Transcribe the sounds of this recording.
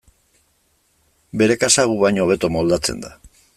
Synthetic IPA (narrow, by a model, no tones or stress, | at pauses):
be̞ɾe̞kasaɣuβajɲo̞β̞e̞t̪o̞mo̞ld̪at͡se̞̰nd̪a